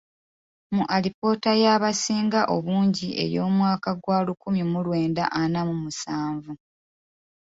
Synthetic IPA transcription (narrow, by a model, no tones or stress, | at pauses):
muʔalipo̞ːtajaβasiːŋɡaʔo̞βuːɲɟiʔe̞̰ɾjo̞ːmwaːkaɡwaːlukumjimulwe̞ːnda̰ʔanamumusaːɱvu